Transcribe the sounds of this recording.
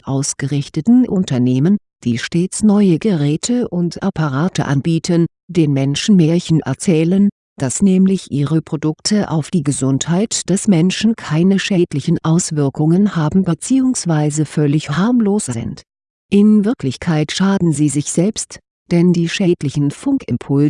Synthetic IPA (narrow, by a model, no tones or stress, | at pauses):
ʔaʊsɡ̥əʁɪçtətn̩ʔʊntɐneːmən | d̥iːʃteːt͡snɔʏəɡəʁɛːtʰəʔʊntʔapaʁaːtʰə̰ʔa̰nbiːtʰən | d̥eːnmɛnʃn̩mɛːɐçənʔɛ̰ɐt͡sɛːlən | d̥asnɛːmlɪçʔiːʁəpʁ̥odʊktʰəʔa̰ʊfd̥iːɡəzʊnthaɪtd̥ɛsmɛnʃn̩kʰaɪnəʃɛːtlɪçn̩ʔaʊsv̥ɪɐkʊŋənhaːbm̩bət͡siːʊŋsv̥aɪzəfœlɪçhaɐmloːszɪ̰nt | ʔɪnvɪɐklɪçkʰaɪtʃaːdn̩ziːzɪçz̥ɛlpst | d̥ɛndiːʃɛːtlɪçn̩fʊŋkʔɪmpʰʊl